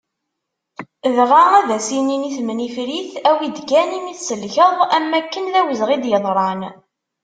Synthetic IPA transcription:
ðʁaæðæsininiθmnifɾiθæwid̪ɡænimiθsəlçəðˤæmːækːənðæwəzʁid̪jəðˤɾˤɑn

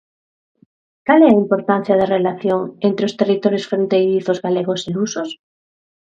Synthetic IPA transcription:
kaleaimpoɾt̪an̟θjað̞erelaθjoŋent̪ɾeost̪erit̪oɾjosfɾent̪ejɾiθozɣaleɣoselusos

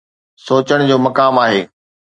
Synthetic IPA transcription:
soːt͡ɕəɽ̃d͡ʑoːmɐkaːmaːɦeː

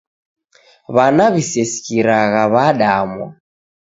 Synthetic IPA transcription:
βanaβisɛsi̥kiɾaɣaβaɗamwa̰

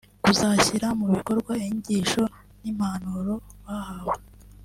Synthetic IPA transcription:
kuzaçiɾamuβiko̞ɾɡwaiɲuɟiʃo̞ | nim̥hanuɾo̞βahawe

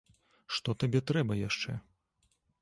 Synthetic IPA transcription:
ʂt̪ɔt̪abʲɛt̪ɾɛbɐjaʂt͡ʂɛ̰

